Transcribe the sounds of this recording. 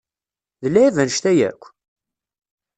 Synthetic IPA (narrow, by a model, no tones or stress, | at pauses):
ðəlːæævænʃt̪æjæ̰kʷː